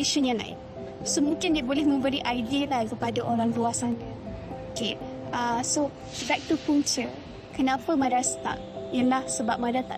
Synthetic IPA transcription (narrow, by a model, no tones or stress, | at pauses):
iʃuɲana̰ɪ̰ | somũŋkɪndebolɛhmə̃mbəɾiʔajdilakəpadaʔoɾaŋluasan | oke | ʔaso | bɛk̚tupuŋt͡ʃə | kənãpəmãdast̪a̰ʔjəlahsəbap̚mãdat̪a̰